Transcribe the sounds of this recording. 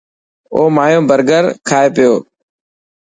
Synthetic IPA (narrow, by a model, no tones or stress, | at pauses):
oːmaːjõːbʱəɾɡəɾkʰaːeːpɪjoː